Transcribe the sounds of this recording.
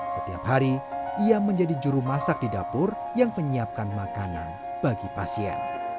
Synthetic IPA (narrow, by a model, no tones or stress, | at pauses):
sət̪ia̰pɦaɾiiaməɲd͡ʒadid͡ʒuɾumasak̚didapʊr | jaŋməɲiap̚kanmakana̰n | b̥aɡipasiɛ̰n